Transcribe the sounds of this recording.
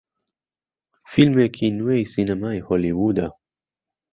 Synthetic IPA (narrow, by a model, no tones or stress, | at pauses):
filmekʰinuwejsinamaehɔliwud̪a